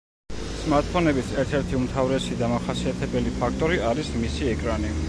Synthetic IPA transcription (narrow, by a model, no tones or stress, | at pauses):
smaɾt̪̚pʰɔnɛbit̪sɛɾt̪ʰɛɾt̪ʰiumt̪ʰavɾɛsid̪amaχasiat̪ʰɛbɛlipʰak̚ʰt̪ʼɔɾiaɾismisiɛkʼɾani